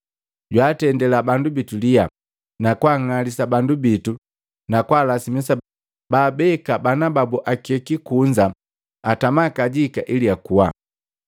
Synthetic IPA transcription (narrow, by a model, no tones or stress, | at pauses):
ɟwaːtɛndɛlabandubitulija | nakwaŋalisabandubitu | nakwaːlasimisa | baːbɛkabanababuʔakiɛkikuɲd͡ʒa | atamakaɟikaʔiliakuwa̰